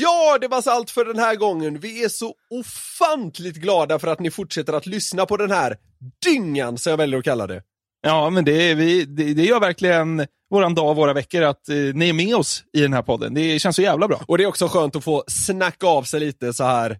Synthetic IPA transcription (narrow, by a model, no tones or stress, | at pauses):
jɑːd̪ɛvasalt̪fœɖɛnhæːɾɡɔŋːənvɪæʂɔʊfant̪ʰlɪt̪̚ɡlɑːd̪afœɾat̪nɪfʊʈʂɛt̪ːəɾat̪lʏsnapɔd̪ɛnhæːɾ | d̪̥ʏŋːansɔmjavɛljəɾɔkʰalːa̰d̪ɛ̰ | jɑːmɛnd̪ɛvɪd̪ɛd̪ɛjœːɾvæɾklɪɡən | voːɾand̪ɑːvoːɾavɛkːəɾat̪nɪæɾmɛɔsɪd̪ɛnhæːɾpʰɔd̪ːə̰nd̪ɛɕɛnsɔjæːvlabɾɑ̰ːʔɔd̪ɛːɾɔksɔɧøːnt̪ɔfoːsnakːaːvsɛjliːt̪əsɔhæːɾ